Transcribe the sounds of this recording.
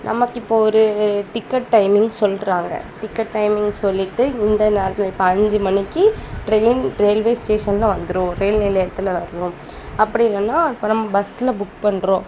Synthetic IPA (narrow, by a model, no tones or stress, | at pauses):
nʔɐ̰mɐkːɪpːoɔɾɯt̪ɪkːɐʈːɐɪmɪŋɡsɔlːɾaːŋɡɐ̰t̪ɪkːɐʈːɐɪmɪŋɡsɔlːɪʈːɯɪnd̪ɐneːɾɐt̪ːɪlɐɪpːɐɐɲd͡ʒɯmɐnɪkːɯʈɾeːnɾeːlʋeːsʈeːʂɐnlãːʋɐnd̪ɯɾʊ̃ɾeːlnɪlɐjɐt̪ːɪlɐʋɐɾɯnʊ̃ | ɐpːɐɽɪɪlːɐnːaːɪpːonɐmːɐbɐsɪlɐbʊkpɐɳːɾõː